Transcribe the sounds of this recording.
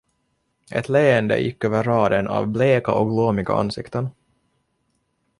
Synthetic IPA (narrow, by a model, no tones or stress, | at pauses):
ʔɛ̰t̪ʰleːənd̪ə̰jɪkːøːvəɾːɑːd̪ənɑ̰vbleːkaʔɔkɡloːmɪɡa̰a̰nsɪkt̪ən